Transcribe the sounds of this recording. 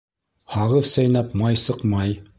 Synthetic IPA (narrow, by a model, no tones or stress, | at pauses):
hɑʁɤðsæjnæpmɑjsɤqmɑj